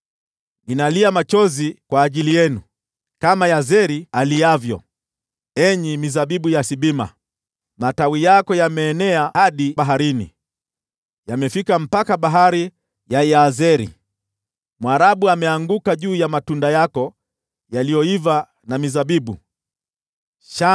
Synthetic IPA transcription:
ninaliamat͡ʃɔzikwaːʄilijɛnu | kamajazɛɾialijavjɔ̰ | ɛɲimizaɓiɓujasiɓima̰ | matawijakɔjamɛːnɛahaɗiɓaɦaɾinḭ | jamɛfikam̩pakaɓaɦaɾi | jajazɛɾḭ | mwaɾaɓuamɛaŋɡukaʄuːjamatundajakɔ | jalijɔiva | namizaɓiɓu | ʃa

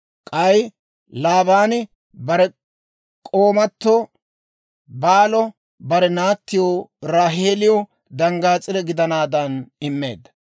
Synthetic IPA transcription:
kʼɐj | laːbaːnɪ | bɐɾɛ | kʼoːmɐt̪ːo | baːlɔ | bɐɾɛnaːt̪ːɪjoɾaːɦeːlɪjɔ | d̪ɐŋɡaːt͡sʼːɪd̪ɛɡɪd̪ɐnaːd̪ɐnɪmːe̞̰ːd̪ɐ

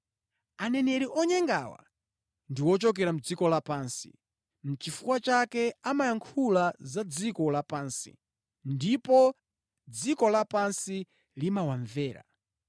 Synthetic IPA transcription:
anɛnɛɾiʔɔɲɛŋɡa̰ːwa̰ | ndiwɔt͡ʃɔk̬ɛɾam̩d͡zikɔlapaːnsḭ | m̩t͡ʃifuwat͡ʃakɛamajaŋkʰulazad͡zikɔlapaːnsḭ | ndipɔ | d͡zikɔlapansi | limawaɱvɛːɾa̰

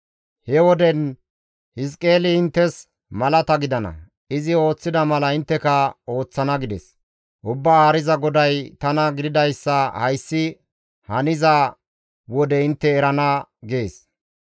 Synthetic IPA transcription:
hɛwɔd̪ɛn | hɪs̬kʼe̞ːlɪɪnt̪ːɛs | mɐlɐt̪ɐɡɪd̪ɐnɐ̰ | ɪzɪo̞ːt͡sːɪd̪ɐmɐlɐɪnt̪ːɛkɐo̞ːt͡sːɐnɐɡɪd̪ɛs | ʔʊbːaaːɾɪzɐɡɔd̪ɐjt̪ɐnɐɡɪd̪ɪd̪ɐjsːɐhɐjsːɪ | hɐnɪzɐ | wɔd̪ɛɪnt̪ːɛːɾɐnɐɡe̞ːs

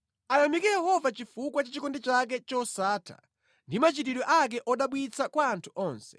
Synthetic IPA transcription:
anamikɛjɛhɔvat͡ʃifukwat͡ʃat͡ʃikɔndɛt͡ʃak̬ɛt͡ʃɔsaːtʰa̰ | ndimat͡ʃitiɗɔʔak̬ɛʔɔɗaɓwit͡sʰakwaːntʰu̥ʔɔːnsɛ̥

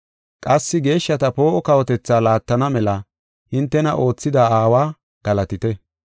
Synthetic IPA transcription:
kʼɐsːɪɡe̞ːʃːɐt̪ɐpo̞ːʔɔkɐwɔt̪ɛt͡sːaːlaːt̪ːɐnɐmɛlɐ | hɪnt̪ːɛnɐʔo̞ːt͡sːɪd̪aaːwaː | ɡ̥ɐlɐt̪ɪt̪ɛ

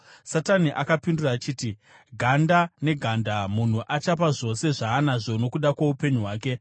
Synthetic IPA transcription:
sataniʔakapinduraːt͡ʃiːti | ɡʱandane̞ɡʱandamun̤uʔat͡ʃap̬aʐo̞se̞ʐaːnaʐo̞no̞kuɗakwaupe̞ɲuɦwaːke̞

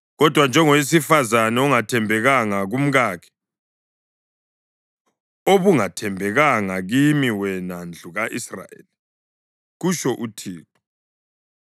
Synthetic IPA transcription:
ɣɔd̥ʱwand͡ʒʱɛŋowis̬ifazanɛɔŋatʰɛmbʱɛɣaŋaɣum̩ɣaːkʰɛ̥ | oβuŋatʰɛmbʱɛɣaŋaɣimiwɛnand͡ɮʱuɣaʔisra̰ḛli | ɣuʃɔʔutʰiːtʰu̥

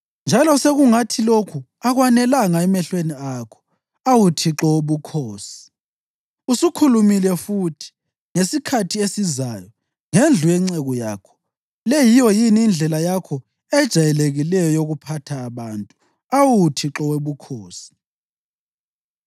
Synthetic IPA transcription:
nd͡ʒʱalɔseɣuŋatʰilokʰu | aɣwanɛlaŋaɛmɛɬweniakʰɔ̥ | awutʰiǁɔwuβukʰoːsi̥ | usukʰulumilɛfutʰi̥ | ŋesikʰatʰiesizajɔ | ŋend͡ɮʱujɛŋ͡ǀɛɣɔjaːkʰɔ̥ | lɛjijɔjiniːnd͡ɮʱɛlajakʰɔ | ɛd̥ʒ̥ʱajɛleɣilɛjɔjoɣupʰatʰaːβaːntʼu | awutʰiǁɔweβukʰoːsi̥

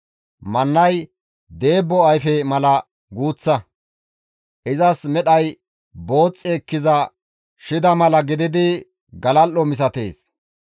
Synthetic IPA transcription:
mɐnːɐj | d̪e̞ːbːɔɐjfɛmɐlɐ | ɡuːt͡sːɐ | ʔɪzɐsmɛɗɐj | bo̞ːt͡sʼːeːkːɪzɐ | ʃɪd̪ɐmɐlɐɡɪd̪ɪd̪ɪ | ɡɐlɐlːɔmɪs̬ɐt̪e̞ːs

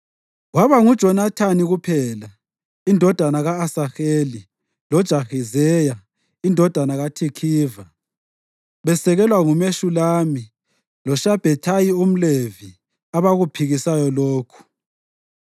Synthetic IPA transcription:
waβaŋud̥ʒ̥ʱɔnatʰaniɣupʰɛla | indʱɔd̥ʱanaɣaːsaxeːli | lɔd̥ʒ̥ʱaxizɛja | indʱɔd̥ʱanaɣatʰikʰiːva | βɛsɛɣɛlwaŋumeʃulaːmi | lɔʃab̥ʱɛtʰajium̩levi | aβaɣupʰiɣisajɔloːkʰu̥

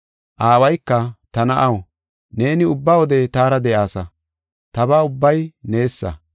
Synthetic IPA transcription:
ʔaːwɐjkːɐt̪ɐnɐʔɐw | ne̞ːnɪʊbːawɔd̪ɛt̪aːɾɐd̪ɛʔaːsɐ | t̪ɐbaːʊbːɐjne̞ːsːɐ̰

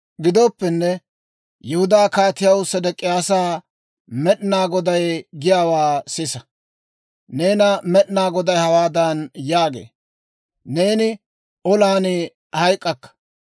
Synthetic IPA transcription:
ɡɪd̪oːpːɛnːɛ | jɛhʊd̪aːkaːt̪ɪjɐwsɐd̪ɛkʼːɪjaːsaː | mɛɗnaːɡɔd̪ɐjɡɪjaːwaːsɪsɐ | neːnɐmɛɗnaːɡɔd̪ɐjhɐwaːd̪ɐnjaːɡḛː | ne̞ːnɪ | ɔlaːnɪ | hɐjkʼːɐkːɐ̥

